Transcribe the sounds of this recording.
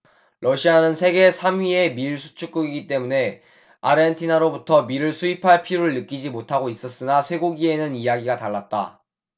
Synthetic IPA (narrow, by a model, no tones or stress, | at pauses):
ɾʌɕʰianɯnsʰe̞ɡe̞sʰamɥie̞miɭsʰu̥t͡ɕʰuk͈uɡiɡit͈e̞mune̞ | aɾentʰinaɾobutʰʌmiɾɯɭsʰuipʰaɭpʰiɾoɾɯɭːɯk͈id͡ʑimotʰaɡois͈ʌs͈ɯnasʰwe̞ɡoɡie̞nɯnijaɡiɡataɭːat̚t͈a̰